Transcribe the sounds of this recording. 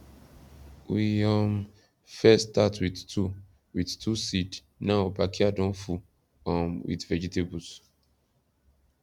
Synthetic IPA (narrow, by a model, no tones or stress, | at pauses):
wiɔ̃m | fɛstatwidtu | widtʰusid | naʊbakiadɔ̃nfu | ãmwḭdvɛd͡ʒitebus